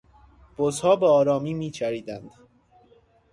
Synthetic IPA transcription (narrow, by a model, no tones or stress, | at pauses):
b̥ozhɒːbeɒːɾɒːmiːmiːt͡ʃʰæɾiːd̪ænd̪̥